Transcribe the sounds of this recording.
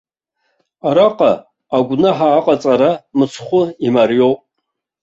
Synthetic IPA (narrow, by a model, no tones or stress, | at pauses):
aɾaqʼa | aɡʷnaħaːqʼat͡sʼaɾamɨt͡sʰχʷʊimarjowpʼ